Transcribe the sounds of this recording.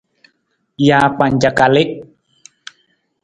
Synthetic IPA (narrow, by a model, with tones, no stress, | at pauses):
ja˨pa˨ɲd͡ʒa˨ka˨lɪ˦ʔ